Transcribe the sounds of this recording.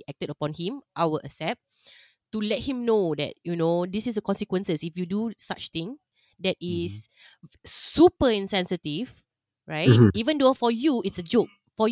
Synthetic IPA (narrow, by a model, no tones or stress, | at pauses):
ʔɛk̚tədəpɔ̃nhĩmʔawəʔəsɛp̚ | tulɛt̚hĩmnodɛ̰t̚junodisisdəkɔ̃nsikwə̃nsəsifjudusat͡ʃt̪ĩŋ | dɛtis | supəĩnsɛ̃nsətiv | ɹaɪivə̃ndofɔjuitsəd͡ʒok̚ | fɔ